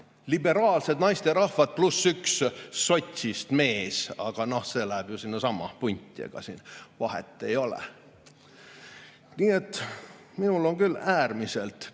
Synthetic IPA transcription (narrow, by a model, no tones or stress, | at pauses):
libe̞ɾɑːlse̞d̪nɑjst̪eɾɑhvɑd̪̥̚plusːyksːo̞t̪ʲsist̪me̞ːsɑ̰ɡ̥ɑno̞hse̞ːlæhæb̥jusinːɑsɑmːɑ̰punʲt̪ʲˑːiḛɡ̥ɑ̰sinvɑɦḛt̪ˑːe̞jo̞lḛ | niːe̞t̪ːˑ | minulo̞ŋkylæːrmise̞lt̪